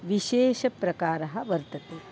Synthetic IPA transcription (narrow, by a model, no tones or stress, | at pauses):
ʋiʃeːʃɐpɾɐkaːɾɐɦɐ̆ʋɐɾt̪ɐt̪eː